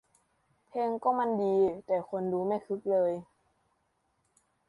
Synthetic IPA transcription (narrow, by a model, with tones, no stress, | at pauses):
pʰe˧ŋkɔː˥˩ma˧˥˨ndiː˧t̪ɛː˨˩kʰo˧nduː˧ma˥˩jkʰɯ˦˥k̚lɤː˧j